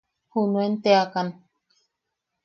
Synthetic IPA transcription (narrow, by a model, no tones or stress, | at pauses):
hunuent̪eakan